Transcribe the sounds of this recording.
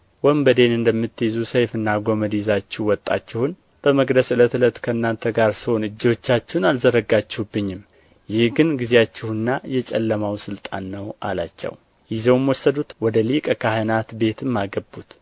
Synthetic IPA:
wəmbəd̪e̞nɨnd̪əmːɨt̪ːjzusəjfɨnːaɡoməd̪izat͡ʃːɪwɔt̪ʼːa̰t͡ʃːɪhʊn | b̥əməɡd̪əsɨlət̪ʰɨlət̪kʰəɨnːant̪ʰəɡaɾsɨho̞nɨd͡ʒːot͡ʃːat͡ʃːɪnalzəɾəɡat͡ʃːɪhubːɨɲːɪm | jɪhɡɨnɡizeat͡ʃːɪhɨnːajɛt͡ʃʼɛlːəmawsɨlt̪ʼa̰nːəwʔa̰la̰t͡ʃːɛ̰w | jɪzɛwmwɔsːəd̪ut̪wɔd̪əlikʼəkʰahɨnat̪be̞t̪ʰɨmːaɡəbːut̪

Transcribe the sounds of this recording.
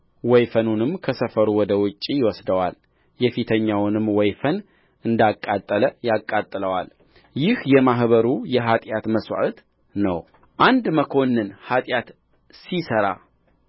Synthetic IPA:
wɔjfənunɨmkʰəsəfəɾuwɔd̪əwʊt͡ʃʼːijɪwɔsd̪əwa̰l | jɛfit̪ʰəɲːawnɨmwɔjfən | ʔɨnd̪akʼːat̪ʼːələjakʼːat̪ʼːɨləwal | jɪhjɛmaɦβəɾujɛɦat̪ʼjat̪məswa̰ʔt̪ | nə̰w | ʔand̪məkʰo̞nːɨnhat̪ʼjat̪ | sisəɾa̰

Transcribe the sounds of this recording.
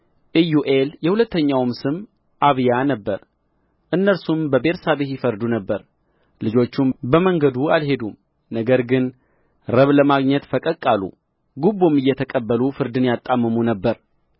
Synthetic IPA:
ʔijuʔeljɛhulət̪ːəɲːawmsɨm | ʔaβjanəbːəɾ | ʔɨnːəɾsumbəbe̞ɾsaβehɪfəɾd̪unəbːəɾ | lɨd͡ʒo̞t͡ʃːumbəməŋɡəd̪ualɦe̞d̪um | nəɡəɾɡɨn | ɾəβləmaɡɲɛt̪fəkʼəkʼːalṵ | ɡubomɨjːɛt̪ʰəkʼəbːəlufɨɾd̪ɨnjat̪ʼːamːɨmunəbːəɾ

